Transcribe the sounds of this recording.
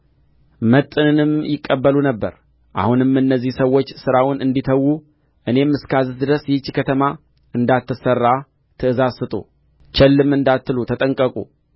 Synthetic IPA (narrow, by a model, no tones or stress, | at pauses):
mət̪ʼːɨnɨnɨmjɪkʼːəbːəlunəbːə̰ɾ | ʔa̰hunɨmɨnːəzːihsəwːo̞t͡ʃːsɨɾawʊnɨnd̪it̪ʰəwːu | ʔɨne̞mɨskʰazɨsd̪ɨɾəsjɛt͡ʃːikʰət̪ʰəma | ʔɨnd̪at̪ːɨsərːa | t̪ʰɨɨzazsɨt̪ʼṵ | t͡ʃɛlːɨmɨnd̪at̪ːɨlut̪ʰət̪ʼəŋkʼəkʼṵ